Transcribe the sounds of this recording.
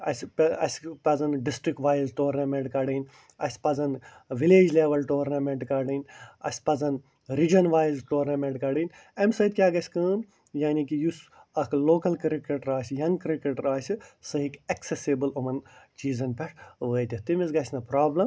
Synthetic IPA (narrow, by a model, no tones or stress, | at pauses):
ɐ̰sʲpɐ̰sʲpɐzɐnɖisʈɾikʈʋaːjzʈoːɾnɐmẽɳʈkɐɖinʲ | ɐsʲpɐzɐn | ʋileːd͡ʒleːʋɐlʈoːɾnɐmeɳʈkɐɖinʲɐ̰sʲpɐzɐn | ɾid͡ʒɐnʋaːjzʈoːɾnɐmeɳʈkɐɖinʲ | ɐmsɐit̪kʲjaːɡɐsʲkɨːn | jaːnikijusɐkloːkɐlkɾikeʈɾaːsʲjɐŋɡkɾikeʈɾaːsʲisɐɦikɐksesibɨlɐmɐnt͡ʃiːzɐnpʲɛʈʋəːjt̪ʲit̪imizɡɐsʲnɐpɾaːblɐm